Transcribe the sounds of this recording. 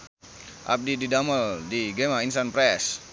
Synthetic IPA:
ʔa̰p̚dididaməldiɡemainsanpɾɛs

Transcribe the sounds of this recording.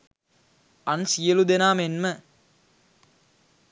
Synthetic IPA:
ɐnsijəlud̪enaːmenmə

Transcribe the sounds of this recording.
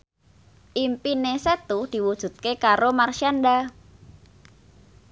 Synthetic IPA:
ʔimpineset̪ud̪̥i̤wud̥ʒ̥ṳt̪̚kekaɾomarʃianɖa

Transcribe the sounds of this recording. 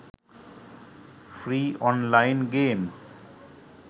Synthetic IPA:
fɾiːɔ̃ːnlaɪnɡẽːms

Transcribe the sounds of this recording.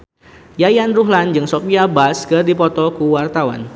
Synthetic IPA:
jajanruɦland͡ʒɨŋsɔpiabaskɨrdipɔt̪ɔkuwart̪awa̰n

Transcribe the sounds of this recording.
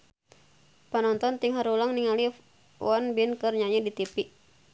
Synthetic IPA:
panɔnt̪ɔnt̪iŋɦaɾulaŋniŋali | wɔnbinkɨrɲaɲɛdit̪ipiʔ

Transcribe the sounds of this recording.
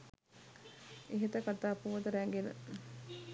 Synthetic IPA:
eɦit̪əkat̪aːpuʋɐt̪əɾæŋɡenə̰

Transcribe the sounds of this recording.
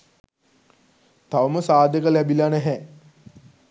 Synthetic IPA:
t̪aʋəməsaːd̪ekəlæbilanɛɦɛ

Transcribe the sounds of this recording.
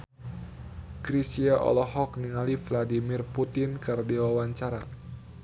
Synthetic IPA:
kɾisiaʔɔ̰lɔhɔk̚niŋalifladimirput̪ɪnkardiwawaɲt͡ʃaɾa

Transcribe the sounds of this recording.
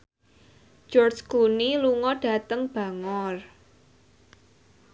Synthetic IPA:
d͡ʒ̥ɔrd͡ʒkuniluŋɔɖ̥ä̤t̪əŋb̥a̤ŋɔr

